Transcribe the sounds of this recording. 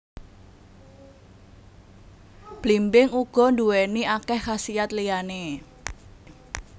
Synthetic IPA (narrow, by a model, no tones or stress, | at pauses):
b̥limbɪŋuɡ̥ɔ̤nd̪uweniakɛhːasijat̪liane